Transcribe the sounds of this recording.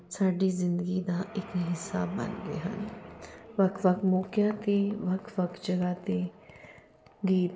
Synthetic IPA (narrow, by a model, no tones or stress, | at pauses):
saːɖizɪ̃nd̪əɡid̪aʔɪkɦɪsaːbːɐ̰nɡḛɦɐ̰n | ʋɐkʋɐkmoːkjat̪eʋɐkʰʋɐkd͡ʒɐɡat̪e | ɡiːt̪